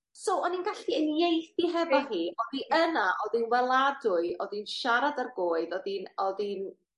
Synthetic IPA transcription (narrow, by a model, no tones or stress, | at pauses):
sowɔninɡaɬiənjejθiɦɛvɔɦiːʔɔðiʔənaʔɔðinwɛlˠadʊɨɔðinʃaɾadarɡoːɨðɔðinɔðin